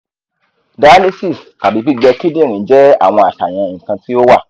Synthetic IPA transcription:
da˨˦le˦si˦˨ska˨bi˨˦k͡pi˦ɡ͡bɛ˧ki˦dĩ˦˨ɾ̃ĩ˨˦d͡ʒɛ˦a̰˦˨w̃ɔ̃˧a˨ta˨j̃ɛ̃˧ĩ˨kã˧ti˦o˦wa˦˨

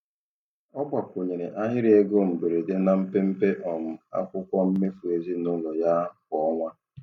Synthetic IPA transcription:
ɔ˦bʷa˨ko˨ɲe˨ɾe˨ʔa˦ɦɪ˦ɾi˦e˦ɡo˦˨m̩˨be˨ɾe˨de˦na˨m̩˦pe˦m̩˦pe˦ʔɔ˨m̩˨a̰˦kʷʊ˦kʷɔ˦m̩˦me˦fu˨e˨zi˦nʊ˦lʊ˨ja˦kɔ˦ɔ˦ŋʷa˦

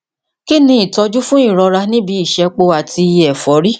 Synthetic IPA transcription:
ki˦nĩ˧i˦˨tɔ˧d͡ʒu˦fũ˦i˦˨ɾɔ˧ɾa˧nĩ˦bi˧i˦˨ʃɛ˧k͡po˧a˨tʰi˧ɛ˨fɔ˨˦ɾi˦

